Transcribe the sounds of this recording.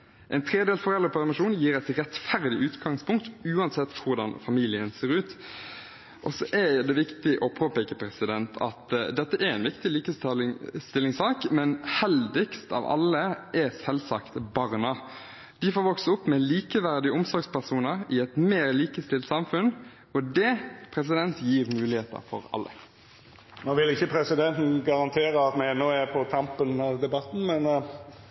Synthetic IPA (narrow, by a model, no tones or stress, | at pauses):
ʔɛɪnt̪ʰɾeːd̪eːlsfɔʁɛlʁɾəpʰælmɪʂuːnjiːɾæɪt̪ɾɛt̪fæʁd̪ɪʔʉːt̪ɡɑŋspʰʊŋk̚t̪ʉːɑnsɛt̪ːkʰʊʁd̪ɑnfɑmiːlɪənseːɾʉːt̪ | ʔɔsɔʔɛjd̪ɛʋɪkt̪ɪʔɔpʰoːpɛkəpʰɾɛsɪd̪ɛnt̪ʰɑ̰t̪d̪ɛt̪ːəʔæɾɛɪnʋɪkt̪ɪliːkəst̪ɪlːɪŋsɑːkmɛnhɛld̪ɪkst̪ɑ̰ːʋɑ̰lːəʔɛsɛlsɑkt̪bɑːʁnɑ | d̪̥ɪfoːɾʋɔksəʊpːmɛliːkəʋæɾd̪ɪəʊmsɔɾɡspʰæʁsuːnəɾɪɛt̪meːɾliːkəst̪ɪlt̪sɑmfʉn | ɔd̪ɛpʰɾɛs̬ɪd̪ɛnt̪jiːʁmʉːlɪheːt̪ə̰ɾfɔ̰ɾɑ̰lːə̰ | noːʋɪlɪçəpʰɾɛsɪd̪ɛnt̪n̩ɡɑɾɑnt̪ʰeːɾəɑt̪mæɛnːoːæpʰɔt̪ʰɑmpənɑʋd̪ɛbɑt̪n̩mɛn